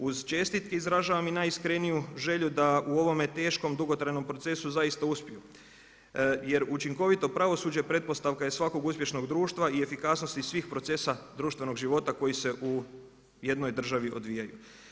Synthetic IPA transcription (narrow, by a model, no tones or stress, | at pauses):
uzt͡ʃe̞st̪it̪ke̞izɾaʒaʋaminaːjiskɾenijuʒe̞ʎud̪auo̞ʋo̞me̞t̪e̞ːʃko̞md̪uɡo̞t̪ɾajno̞mpɾo̞t̪se̞suzajist̪auspʲiju | je̞ɾut͡ʃiŋko̞ʋit̪o̞pɾaʋo̞suːd͡ʑepɾe̞t̪̚po̞st̪aʋkajesʋako̞ɡuspje̞ʃno̞ɡd̪ɾuːʃt̪ʋaie̞fikasno̞st̪isʋiːxpɾo̞t̪se̞sad̪ɾuːʃt̪vʋe̞no̞ɡʒiʋo̞t̪ako̞jise̞ʔu | je̞d̪no̞jd̪r̩ʒaʋiʔo̞̰d̪ʋijajṵ